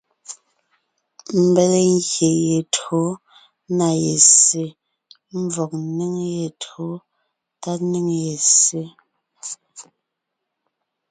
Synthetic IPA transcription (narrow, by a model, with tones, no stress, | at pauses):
m̩˨be˨le˨ŋ˦ɣje˨je˨tho˦ | na˨je˨se˨ | m̩˦vɔ˨k̚ni˦ŋje˨tʰo˨˦ | ta˦tni˦ŋje˨se˦